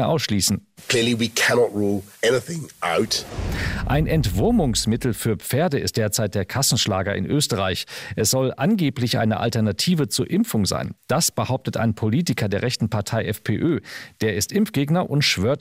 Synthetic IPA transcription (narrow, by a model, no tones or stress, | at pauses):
əʔaʊsʃliːsn̩ | kʰl̥ɪəlˠiwikʰænɔtɹuːlˠɛnɪθɪ̃ŋʔa̰ʊt | ʔaɪnʔɛntv̥ʊɐmʊŋsmɪtl̩fyːɐp͡feːɐdəɪ̰st̚d̥eːɐt͡saɪt̚d̥eːɐkʰasn̩ʃlaːɡɐɪ̰nʔøːstəʁaɪçʔɛsz̥ɔlʔanɡeːplɪçʔa̰ɪnəʔa̰ltɛɐnatʰiːvət͡suːɐʔɪmfʊŋza̰ɪnd̥asb̥əhaʊp̚tətʰa̰ɪnpʰoliːtɪkʰɐdeːɐʁɛçtn̩pʰaɐtʰaɪʔɛfpʰeːʔøːd̥eːɐɪstʔɪmfɡ̥eːɡnɐʔʊntʃv̥øːɐt